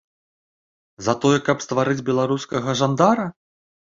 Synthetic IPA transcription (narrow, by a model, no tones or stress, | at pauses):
zɐt̪ɔjɛkɐpst̪vaɾɨd͡zʲbʲɛlˠaɾuskɐɣɐʐand̪aɾɐ